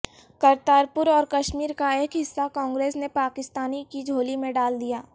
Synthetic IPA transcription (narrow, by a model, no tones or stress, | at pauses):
kɐɾt̪aːɾpʊɾɔːɾkɐʃmiːɾkaeːkɦɪsːakɔ̃ːŋɡɾeːsnepaːkɪst̪aːnikid͡ʒʱoːlimẽɖaːld̪ijaː